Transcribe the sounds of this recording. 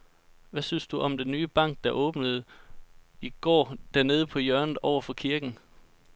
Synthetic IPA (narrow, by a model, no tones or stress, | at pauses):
ʋæsynsd̥uʔɒ̽md̥enːyːb̥ɑ̈ŋ̰ɡ̥̚d̥ɑ̈ʔɔ̽ːb̥nəð̞̩ˠ | iɡ̥ɒ̰ːd̥æɐne̝ːð̞ˠəpʰɒ̽jœɐnð̩ˠɒʊ̰ɐfɒ̽kʰiɐɡ̥n̩